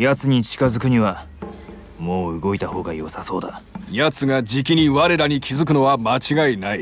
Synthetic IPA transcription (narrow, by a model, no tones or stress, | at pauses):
jat͡sɨɲ̟it͡ɕi̥kazɨkɯ̟ɲ̟iβa | mo̞ːɯ̟ɡo̞it̪aho̞ːɡajo̞saso̞ːd̪ajat͡sɨɡad͡ʑikʲiɲ̟iβaɾe̞ɾaɲ̟ikʲʰizɨk̬ɯ̟no̞βamat͡ɕiɡainai